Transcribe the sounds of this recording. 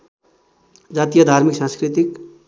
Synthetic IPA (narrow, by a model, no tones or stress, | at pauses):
d͡zat̪ijʌd̪ʱaɾmiksãnskɾit̪ik